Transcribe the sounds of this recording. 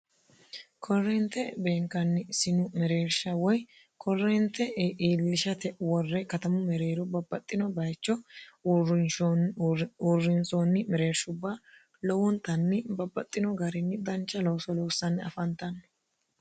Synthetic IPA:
kʰɔrːɛnt̪ɛbeːŋkɐnːɪsɪnʊmɛɾe̞ːɾʃɐwɔj | kʰɔrːɛnt̪ɛʔiːlːɪʃɐt̪ɛwɔrːɛkɐt̪ɐmʊmɛɾe̞ːɾɔbɐbːɐt̪ʼːɪnɔbɐjt͡ʃːɔ | uːrːɪnsonːɪmɛɾe̞ːɾʃʊbːa | lɔwʊnt̪ɐnːɪbɐbːɐt̪ʼːɪnɔɡɐɾɪnːɪd̪ɐnt͡ʃːɐlɔwsɔlɔwːsːɐnːɪɐ̰fɐnt̪ɐnː

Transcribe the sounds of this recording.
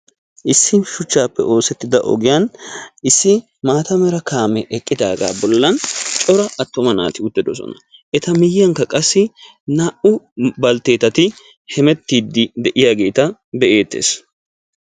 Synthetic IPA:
ʔɪsːɪnʃʊt͡ʃːaːpːɛ̰ʔo̞ːsɛt̪ːɪd̪ɐʔɔ̰ɡɪjanɪsːɪ | maːt̪ɐmɛɾɐkaːmɛʔɛkʼːɪd̪a̰ːɡa̰ːbɔlːɐnt͡ʃʼɔɾɐɐt̪ːɔmɐna̰ːt̪ɪʊt̪ːɛd̪ɔsɔ̰nɐʔɛt̪ɐmɪjɐŋkːɐkʼɐsːɪ | naːʔʊbɐlt̪e̞ːt̪ɐt̪ɪ | hɛmɛt̪ːiːd̪ːɪd̪ɛʔɪjaːɡe̞ːt̪ɐbɛʔe̞ːt̪ːḛːs

